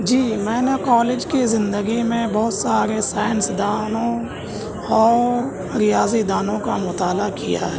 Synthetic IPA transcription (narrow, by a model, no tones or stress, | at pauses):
d͡ʒiːmɛ̃ːnekɔːleːd͡ʒkizɪ̃nd̪əɡimẽbɔːʊt̪saːɾesaːjənsd̪aːnõ | ɔːɾ | ɾɪjaːzid̪aːnõkamʊt̪aːlakija̰ɦɛ